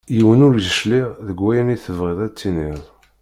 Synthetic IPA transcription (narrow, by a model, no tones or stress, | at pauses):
jiwənʊɾʒəʃliʁðəɡʷːæjəniθəvʁiðˤæt͡sːiniðˤ